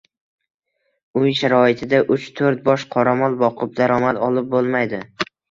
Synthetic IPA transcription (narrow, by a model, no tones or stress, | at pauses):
ʊjʃaɾɒɪt̪ʰɪd̪aʔʊt͡ʃt̪ʰoɾt̪̚bɒʃqʰɒɾamɒlˠbɒqʰɨp̚d̪aɾɒmat̪ɒlˠɪp̚bolˠmajd̪ɪ